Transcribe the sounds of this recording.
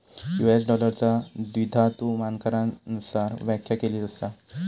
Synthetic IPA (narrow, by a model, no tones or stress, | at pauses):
jues̬ɖɔləɾt͡sad̪ʋid̪ʱat̪umankəɾanusaɾʋjakʰjakeliːt̪əst̪a